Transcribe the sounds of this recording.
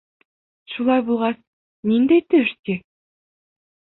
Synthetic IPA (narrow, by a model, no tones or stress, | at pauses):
ʃulˠɑjbulˠʁɑs | nind̪æjt̪ɵʃkʲe